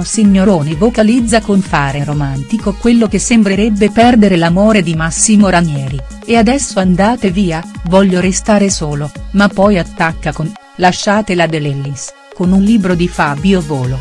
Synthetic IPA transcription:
siɲːoɾoːnivokalid̪zːakoɱfaːɾeɾomant̪ikokwelːok̟esːembɾeɾebːepɛrd̪eɾelamoːɾed̪imasːimoɾamjɛːɾi | ead̪ɛsːoand̪aːt̪eviːavɔʎːoɾest̪aːɾesoːlomapːɔjat̪ːakːakon | laʃːaːt̪elad̪elɛlːis | konunliːbɾod̪ifabiovoːlo

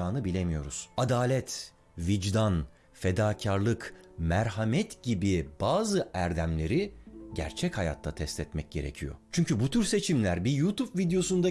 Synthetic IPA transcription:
aːnɯbilʲemijo̞̰ɾuz̥ad̪aːlʲɛt̪ | vid͡ʒd̪an | fe̞d̪aːcʰaɾlˠɯkmæɾɦamɛt̪ɟibibaːzɯæɾd̪æmlʲe̞ɾiɟæ̰ɾt͡ʃʰɛchaja̰t̪ʰːat̪ʰɛst̪ʰɛt̪mɛc̚ɟ̥e̞̰ɾe̞̰cʰijo̞̰t͡ʃʰyɲcʰybut̪ʰyɾse̞t͡ʃʰimlʲæɾbijut̪upvid̪ejo̞sund̪a

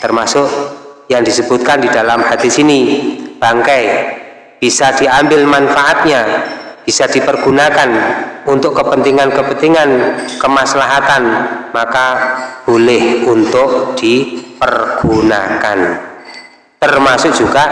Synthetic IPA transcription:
t̪ərmasʊʔjaŋdisəb̥ut̪̚kandidalamhat̪isinib̥aŋkaj | b̥isad̥iambɪlmanfaʔat̪̚ɲab̥isad̥ipərɡ̥unakanunt̪ʊʔːəpənt̪iŋankəpət̪iŋankəmaslaɦat̪anmakab̥olɪhunt̪ʊʔd̥ipərɡ̥una̰kan | t̪ərmasʊk̚d͡ʒ̥uɡ̥a

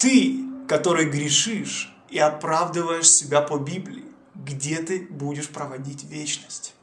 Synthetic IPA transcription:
t̪ɨkɐt̪o̞ɾɨjɡɾʲɪʂɨʂ | iɐpɾavd̪ɨvəjɪʂsʲɪbʲapəbʲiblʲɪ̰ɪ | ɡdʲe̞t̪ɨbudʲɪʂpɾəvɐdʲitʲvʲet͡ɕnəsʲtʲ

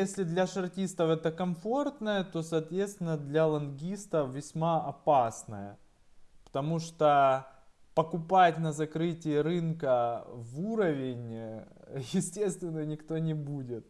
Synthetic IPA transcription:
jesʲlʲɪd̪lʲɐʂɐrtʲist̪əfɛt̪əkɐmfo̞rt̪nəjət̪o̞sɐːt̪vʲet̪st̪vʲɪnːəd̪lʲɐlˠɐnɡʲist̪əfvʲɪsʲmaʔɐpasnəjə | pə̥t̪ɐmuʂt̪o | pəkʊpatʲnəzɐkɾɨtʲɪɪɾɨnkəvuɾəvʲɪnʲ | jɪsʲtʲe̞st̪vʲɪnːənʲɪkt̪o̞nʲɪbudʲɪt̪̚

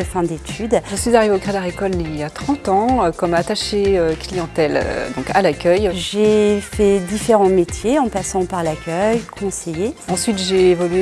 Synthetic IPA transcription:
əfɛ̃d̪et̪ʰyd̪ʒəsɥizaʁiveokχed̪aʁekɔlniljat̪χɑ̃t̪ɑ̃økɔmat̪aʃeøklijɑ̃t̪ɛl̰d̪ɔ̃kalakʲœjʒefɛd̪ifeʁɑ̃met̪jeɑ̃pasɑ̃paʁlakʲœjkʰɔ̃sejeɑ̃sɥit̪ʒeːvɔlɥe

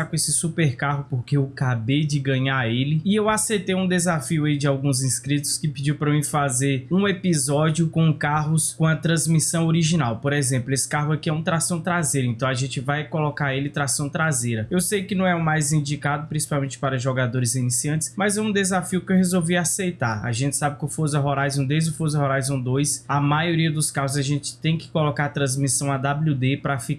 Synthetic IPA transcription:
akõesɪsupeɾkaɦʊpoɾkeewkabejd͡ʒɪɡɐ̃ɲaelɪɪewasejt̪ejũd̪ezafiʊaid͡ʒɪawɡũzĩskɾit̪ʊ̥skɪpid͡ʒiwpɾɐmĩfazeɾũepizɔd͡ʒiʊkõkaɦʊskõɐt̪ɾɐ̃zmisɐ̃w̃oɾiʒinawpoɾezẽmplʊesɪ̥kaɦʊakiɛũt̪ɾasɐ̃w̃t̪ɾazejɾʊẽnt̪ɐ̃w̃aʒẽnt͡ʃɪvajkolɔkaelɪt̪ɾasɐ̃w̃t̪ɾazejɾɐewsejkɪnɐ̃w̃ɛʊmajzĩd͡ʒikad̪ʊpɾĩsi̥pawmẽt͡ʃɪ̥paɾɐʒoɡad̪oɾɪzinisiɐ̃t͡ʃɪ̥smɐzɛũd̪ezafiʊkewɦezowviasejt̪aɾa̰ʒẽnt͡ʃɪ̥sabɪkɪʊfozɐɦoɾajzũd̪ejzd͡ʒʊfozɐɦɔɾajzũd̪ojsɐmajoɾiɐd̪ʊskaɦʊzɐʒẽt͡ʃɪ̥t̪ẽj̃kɪ̥kolokaɾt̪ɾɐ̃zmisɐ̃w̃ɐd̪ablud̪epɾɐfik

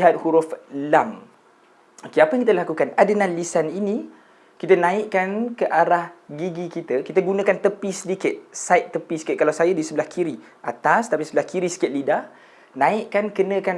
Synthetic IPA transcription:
ɦat̪̚huɾʊflam | okeapajaŋkit̪əlakukanadənãlisanini | kit̪ənãiʔkankəʔaɾahɡiɡikit̪əkit̪əɡunə̃kant̪əpisədikɪt̪̚saɪʔ̪̚t̪ːəpisə̥kɪt̪̚kalawsajadisəbəlahkʰiɾi | ʔat̪ast̪apisəbəlahkʰiɾisə̥kɪt̪̚lida | nãiʔkankənə̃kan

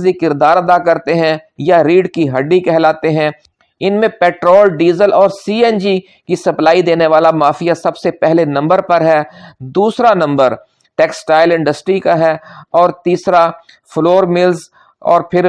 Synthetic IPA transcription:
zikɪɾd̪aːɾɐd̪akɐɾt̪eɦɛ̃jaɾiːɖkiɦɐɖːikɛɦlaːt̪eɦɛ̃ | ɪnmẽpɛːʈɾoːlɖiːzəlɔːɾsiːɛnd͡ʒi | kisɐplaːid̪eːneʋaːlamaːfijasɐbsepɛɦlenɐ̃mbəɾpɐɾɦɛːd̪uːsɾanɐ̃mbəɾ | ʈɛːksʈaːɪlɪ̃ɳɖəsʈɾikaɦɛːɔːɾt̪iːsɾa | floːɾmɪlz | ɔ̰ːɾpʰɪɾ

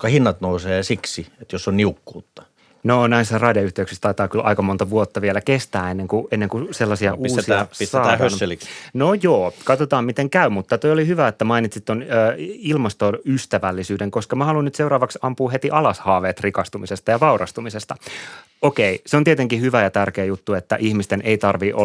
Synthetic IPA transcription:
kɑhinːɑt̪nouseːsiksiet̪josːonniukːuːt̪ːɑ̥ | nonæisːærɑdiɑyht̪eyksist̪ɑit̪ɑːkylʔɑ̰ikɑmont̪ɑʋuot̪ːɑʋielækest̪æːenːeŋkuenːeŋkuselːɑsiɑʔuːsiɑɑlnojoːkɑt̪ot̪ɑːmmit̪eŋkæymut̪ːɑt̪ojolihyʋæet̪ːæmɑinit̪sit̪t̪ːonøːilmɑst̪onyst̪æʋælːisyːdeŋkoskɑmæhɑlunnyt̪seuɾɑːʋɑksɑmpuːhet̪iʔɑlɑshɑːʋeːt̪rikɑst̪umisest̪ɑjɑʋɑurɑ̰st̪umisest̪ɑ | okeiseont̪iet̪eŋkihyʋæjɑt̪ærkeːjut̪ːuet̪ːæ̰ʔihmist̪enʔeit̪ɑrʋiʔo̰

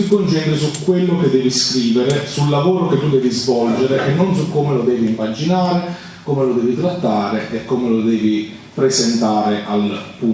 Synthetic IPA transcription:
ikont͡ʃɛnt̪ɾisukːwelːoked̪ːɛːviskɾiːveɾesulːavoːɾoket̪ːud̪ɛːvizvɔld͡ʒeɾeʔenːonsukːoːmelod̪ɛːviːmːad͡ʒinaːɾe | koːmelod̪ɛːvit̪ɾat̪ːaːɾeʔekːomelod̪ɛːvi | pɾezent̪aːɾeʔalpu

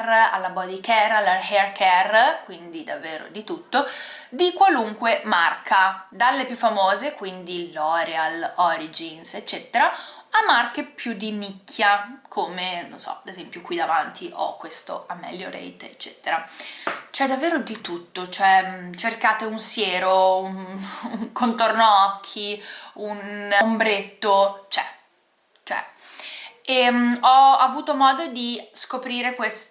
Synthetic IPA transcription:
ra̰lːabɔd̪ikɛralːaɦɛrkʰɛrkwind̪id̪avːeːɾo̰d̪it̪ut̪ːo | d̪ikwaluŋkwemarkʰad̪alːepjufːamoːzekwind̪ilɔɾealɔɾid͡ʒinset͡ʃːɛt̪eɾaamarkepjud̪ːinikʰːjakʰomeno̰nsɔ̰ad̪ezɛmpjokwid̪avant̪ʰiʔɔ̰kːwest̪o̰amːɛ̰lːjo̰ɾḛjt̪et͡ʃːɛːt̪eɾa | t͡ʃɛd̪ːavːeːɾod̪it̪ut̪ːot͡ʃoɛt͡ʃerkaːt̪eunsjeːɾounuŋkont̪ornoɔkʰːiunmbɾet̪ːot͡ʃɛ | t͡ʃoɛ̰ | eɔavuːt̪omɔːd̪od̪iskopɾiːɾekwes

